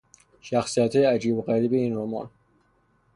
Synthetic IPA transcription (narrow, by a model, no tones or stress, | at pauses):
ʃæxsijæt̪ʰhɒːjeæd͡ʒiːboɣæɾiːbeiːnɾomɒ̰ːn